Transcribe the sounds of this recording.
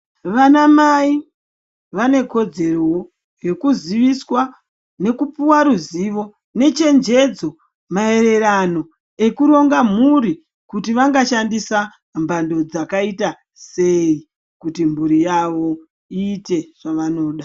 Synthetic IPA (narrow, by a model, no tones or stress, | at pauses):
ʋanamai | ʋane̞ko̞d͡ze̞rowo | je̞kuziʋiswa | ne̞kupuwaɾuziʋo̞ | ne̞t͡ʃe̞nd͡ʒe̞d͡zo̞ | mae̞ɾe̞ɾano̞ | e̞kuɾo̞ŋɡam̤uɾi | kutiʋaŋɡaʃandisa | mbando̞d͡zakaita | se̞i | kutimuɾijaʋo̞ | iːte̞ʐ̥aʋano̞ːɗa